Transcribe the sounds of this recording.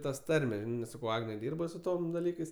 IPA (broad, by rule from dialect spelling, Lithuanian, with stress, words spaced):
ˈtɐs ˈtɐrʲmʲɛ ˈsɑːkɐʊ ˈɑːɡnʲɛ ˈdʲiːrbɐ sʊ ˈtoːm dɐˈlʲiːkɐɪs